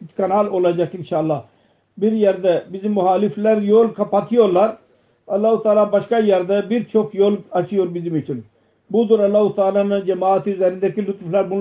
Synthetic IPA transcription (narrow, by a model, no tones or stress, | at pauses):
it͡ʃkanalo̞lˠad͡ʒakinʃaːlˠːa | biɾjæɾd̪ɛbizimːuhaːliflʲæɾjolˠkʰapat̪ʰijo̞ɾlˠaɾ | alˠːahut̪ʰaːlˠaːbaʃkajæɾd̪ɛbiɾt͡ʃʰo̞kjolˠat͡ʃʰɯjo̞ɾbizimit͡ʃʰin | bud̪uɾalˠːaːhut̪ʰaːlˠaːnɯnd͡ʒɛmaːt̪ʰizɛɾind̪ɛcilʲut̪flʲˠaɾbun